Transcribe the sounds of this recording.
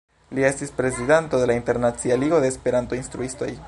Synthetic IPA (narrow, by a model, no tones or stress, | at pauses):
lie̞stispɾe̞zid̪ento̞d̪e̞lainte̞ɾnat͡sialiɡo̞d̪e̞ːspe̞ɾant̪o̞inst̪ɾuisto̞j